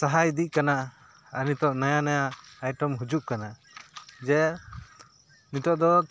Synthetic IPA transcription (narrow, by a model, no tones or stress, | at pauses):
saɦajd̪ic̚ˀkana | anit̪ɔʔnajanajaːjʈɔmɦud͡ʒuʔ̚kana | d͡ʒɛ | nit̪ɔʔd̪ɔ